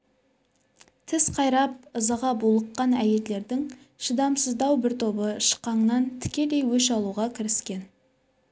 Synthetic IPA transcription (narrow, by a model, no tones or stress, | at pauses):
t̪ʰɪsqʰɑjɾɑp̚əzɑʁɑbulˠəqːɑnæje̞lːe̞ɾd̪ɪŋ | ʃəd̪ɑmsəzd̪ɑwbɪɾt̪ʰo̞bəʃə̥qːɑɴnɑnt̪ʰɪ̥kʲe̞le̞jwɵʃɑlˠuʁɑkʲʰɪɾɪskʲe̞n